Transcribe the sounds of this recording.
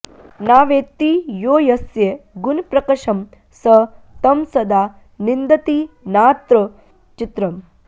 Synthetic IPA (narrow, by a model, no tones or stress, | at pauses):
naːʋeːt̪ijoːjɐsjeɡunpɾɐkɐʃɐm | sɐ | t̪ɐmsɐd̪aː | nind̪ɐt̪i | naːt̪ɾɐ | t͡ʃit̪ɾɐm